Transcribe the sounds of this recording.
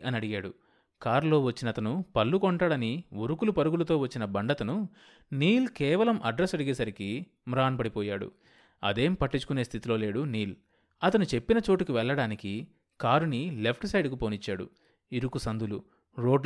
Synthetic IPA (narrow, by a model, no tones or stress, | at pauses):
ɐniɐɽiɡaːɽu | kaːɾlo̞ːʋɐt͡ʃːinɐt̪ɐnupɐlːukoɳʈaːɽɐniʋuɾukulupɐɾuɡulɐt̪o̞ːʋɐt͡ʃːinɐbɐɳɖɐt̪ɐnu | niːlkɛːʋɐlɐmʔɐɖɾesɐɽiɡeːsɐɾiki | mɾaːnpɐɽipɔːjaːɽṵ | ɐ̰d̪e̞ːmpɐʈːit͡ʃːu̥kuneːst̪ʰit̪ilo̞ːle̞ːɽuniːl | ɐt̪ɐnut͡ʃe̞pːinɐt͡ʃo̞ːʈukiʋɛɭːɐɽaːniki | kaːɾunile̞pʰʈsɐjɖkupoːnit͡ʃːaːɽṵ | iɾukusɐnd̪ulu | ɾo̞ːɖ